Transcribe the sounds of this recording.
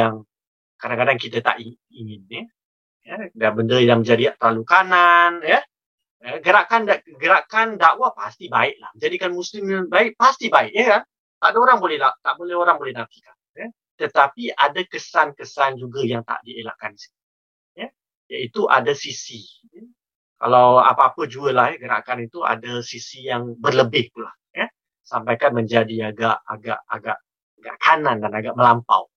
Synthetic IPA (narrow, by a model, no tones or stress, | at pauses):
jaŋ | kadaŋkadaŋk̬it̪at̪a̰ʔi | iŋɪnːih | jədabəndəjaŋmə̃ɲd͡ʒadit̪əalukananjə | əɡəɾaʔkandaəɡəɾaʔkandaʔwapast̪ibaɪʔ̚la̰hməɲd͡ʒadikanmuslɪmbaɪʔ̚past̪ibaɪʔjəkan | t̪aʔdaoɾaŋbolɛhlat̪aʔbolɛhoɾaŋbolɛhnat̪i̥kanjə | t̪ət̪apiadakəsankəsand͡ʒuɡajaŋt̪a̰ʔdiela̰ʔkanisi̥t̪i | jə | jaʔit̪uʔa̰dasisi | jə | kalawa̰paapəd͡ʒuəlahjɡəɾa̰kanit̪ua̰dasisijaŋbərləbɪht̪ula̰h | jə | sampajkanmə̃ɲd͡ʒadiaɡaʔa̰ɡa̰ʔa̰ɡaʔ | aɡa̰ʔkʰanãndanaɡaʔməlampa̰w